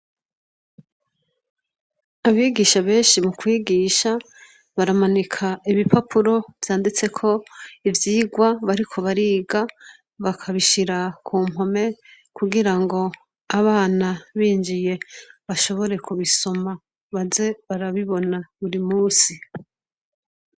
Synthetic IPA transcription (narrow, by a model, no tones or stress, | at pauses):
aβiːɡiːʃaβe̞ːnʃimukwiːɡiːʃa | βaɾamanikʰaiβipapʰuɾo̞v̥jaːndit͡se̞kʰo̞ivjiːɡwaβaɾikʰo̞βaɾiːɡa | βakʰaβiʃiɾakʰuːmo̞me̞ | kuɡiɾaŋɡo̞ | aβaːnaβiːnd͡ʒije̞βaʃo̞βo̞ɾe̞kuβiso̞ma | βaze̞βaɾaβiβo̞naβuɾimuːsi